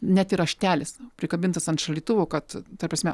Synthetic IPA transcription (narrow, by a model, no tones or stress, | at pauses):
nʲɛt̪iɾɐʃʲt̪ʲæːlʲɪspʲɾʲɪkɐbʲɪnt̪ɐsɐnt̪ʃɐlʲiːt̪ʊʋoːkɐt̪t̪ɐrprɐsʲmʲɛ